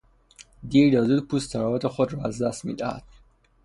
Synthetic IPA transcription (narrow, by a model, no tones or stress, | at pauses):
d̪iːɾd̪ɒːzuːd̪pʰuːst̪ʰæɾɒvɒt̪ʰexod̪ɾɒːæzd̪æst̪mḭːd̪æhæ̰d̪̥